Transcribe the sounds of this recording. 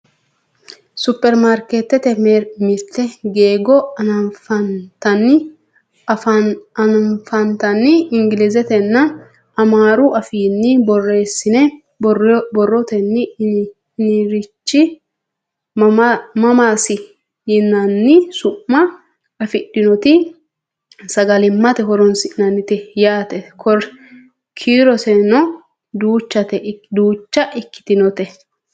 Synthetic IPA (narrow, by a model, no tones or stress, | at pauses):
sʊpːɛɾmaɾket̪ːɛt̪ɛɾmɪɾt̪ːɛɡe̞ːɡɔɐnɐfɐt̪ɐnːɪ | ɐnɐfɐnt̪ɐnːɪɪŋɡɪlɪzɛt̪ɛnːɐ | ɐmaːɾʊʔɐfiːnːɪbɔrːe̞ːsːɪnɛ | bɔrːɔt̪ɛnːɪ | nɪɾɪt͡ʃːɪ | mɐmaːsɪ | jɪnːɐnːɪsʊʔːɐ | ɐfɪɗɪnɔt̪ɪ | sɐɡɐlɪmːɐt̪ɛɦɔɾɔnsɪnɐnɪt̪ɛjaːt̪ɛkʰɔɾ | kʰiːɾɔsɛnɔ | d̪uːt͡ʃːɐt̪ɛd̪uːt͡ʃːɐʔɪkːɪ̥t̪ɪnɔt̪ɛ